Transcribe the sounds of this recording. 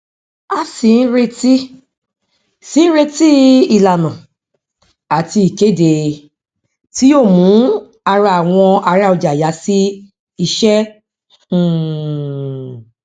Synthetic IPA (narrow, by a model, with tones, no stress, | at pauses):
a˧si˨˧˦n̩˦ɾe˧ti˦ | si˨˦n̩˦ɾe˧ti˦i˨la˨nã˨ | a˨ti˧i˨ke˨˦de˨ | ti˦joː˦˨mũ˨˦ | a˧ɾa˧a˨w̃ɔ̃˧a˧ɾa˧o˧d͡ʒa˨ja˨˦si˦ | i˧ʃɛ̃˦˨